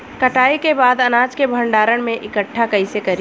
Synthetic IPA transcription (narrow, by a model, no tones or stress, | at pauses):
kɐʈaːikebaːd̪ɐnaːd͡ʒkebʱə̃ɳɖaːɾəɽ̃mẽʔɪkəʈʰːakɐisekɐɾi